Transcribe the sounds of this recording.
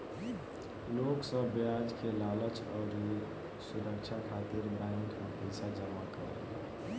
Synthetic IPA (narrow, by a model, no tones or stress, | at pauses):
loksə̃bjad͡ʒkelalət͡ʃʰɔːɾ | suɾəkt͡ʃʰakʰat̪iɾbãŋkkapəjsad͡ʒəmakəɾ | ɛ̰